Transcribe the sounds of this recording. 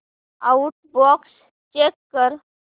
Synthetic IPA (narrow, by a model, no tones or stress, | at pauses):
auʈ̚bɔks | t͡ʃekːəɾ